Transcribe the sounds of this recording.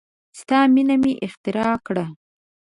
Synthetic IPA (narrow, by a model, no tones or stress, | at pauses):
st̪ɑminamiʔɪxt̪ɪɾɑkɽa